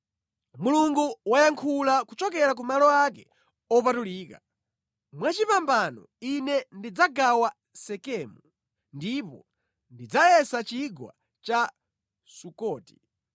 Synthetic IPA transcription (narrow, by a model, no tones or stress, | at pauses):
muluŋɡuwajaŋkʰulakut͡ʃɔk̬ɛɾak̬umalɔak̬ɛ | ɔpatuliːka | mwat͡ʃipambanɔ̰ | inɛndid͡zaɡawa | sɛkɛːmu | ndipɔ | ndid͡zajɛsat͡ʃiɡwa̰ | t͡ʃa | sukɔːti̥